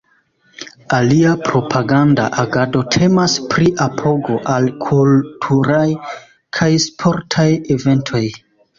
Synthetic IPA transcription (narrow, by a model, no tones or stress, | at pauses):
aliapɾo̞pʰaɡanda̰ʔaɡado̞tʰe̞maspɾiʔapʰo̞ɡo̞ʔalkʰultʰuɾaj | kʰajspʰo̞ɾtʰajeve̞ntʰo̞j